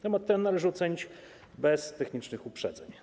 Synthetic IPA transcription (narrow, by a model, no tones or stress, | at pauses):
t̪ɛmat̪ːɛnːalɛʐɘɔt̪sɛɲit͡ɕ | bɛst̪ɛxɲit͡ʂnɘxupʂɛ̰d̪zɛ̰ɲ